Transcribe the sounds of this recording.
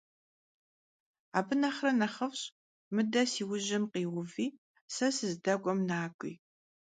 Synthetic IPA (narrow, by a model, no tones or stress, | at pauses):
aːbɨnɐχrɐnɐχɐfɕʼ | mɨdɐsiːwʊʑɪmqiːwʊviː | sɐsɨzdɐɡʷʼɔmnaːkʷʼḭː